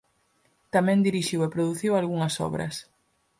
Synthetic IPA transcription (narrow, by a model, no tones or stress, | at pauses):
t̪amɛ̃nd̪iɾiʃiwepɾoðuθiwalɣuŋɐsɔ̰βɾɐ̰s